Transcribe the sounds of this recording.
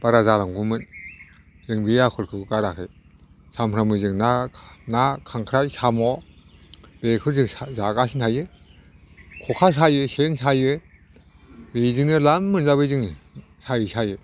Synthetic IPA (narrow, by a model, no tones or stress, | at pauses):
b̥aɾazalaŋɡumɯn | zɯŋbejakʰɔɾkʰɯkʰɯkaɾakʰɯj | samʰɾamɯzɯŋnanakʰaŋkʰɾajsʰamɔ | b̥ekʰɯɾzɯŋzaɡasintʰajɯ | kʰɔkʰas̬ajɯsensajɯ | bezɯŋnɯlamːɯnzabɯjzɯŋ | sajisajɯ